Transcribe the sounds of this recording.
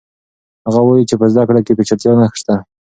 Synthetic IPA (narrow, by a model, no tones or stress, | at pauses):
haɣawajit͡ʃepəzd̪akɽakepet͡ʃat̪jonaxʂt̪a